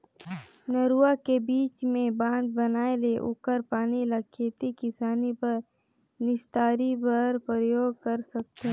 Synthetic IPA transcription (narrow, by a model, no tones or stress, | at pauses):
nəɾuːakebiːt͡ʃmẽbãːnd̪bɐnaːeleʔʊ̰kəɾpaːnilɐkʰeːt̪ikɪsaːnipɐɾ | nɪst̪aːɾibəɾpɾəjoːɡ̚kəɾsɐk̚t̪ɛ